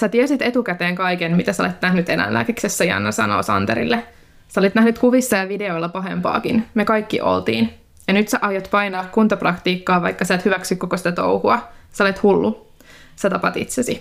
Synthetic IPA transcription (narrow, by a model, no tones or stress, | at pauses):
sæt̪iɛsit̪et̪ukæt̪eːŋkɑjkenmit̪æsæo̰let̪næhnyt̪elæ̰lːæ̰ːkiksesːæjɑ̰nːɑsɑ̰no̰ːsɑ̰nt̪eɾḭlːe | sæolet̪næhnyt̪kuʋisːɑjɑʋideoilːɑpɑɦḛmpɑ̰ːkinmekɑjkːiʔo̰lt̪ḭːn | jɑnyt̪sæʔɑjot̪pɑjnɑːkkunt̪ɑprɑkt̪iːkːɑːʋɑjkːɑsæːt̪hyʋæksykkokosit̪æt̪o̰uhuɑsæolet̪hulːu | sæt̪ɑpɑt̪ḭt̪sesi